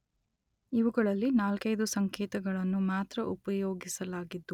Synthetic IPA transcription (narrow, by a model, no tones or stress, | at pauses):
iʋuɡɐɭɐlːinaːlkɐjd̪usɐŋkɛːt̪ɐɡɐɭɐnːumaːt̪ɾɐʔupɐjoːɡisɐlaːɡid̪ːu